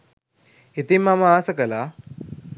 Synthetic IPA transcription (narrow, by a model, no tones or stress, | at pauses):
it̪imamaːsəkəla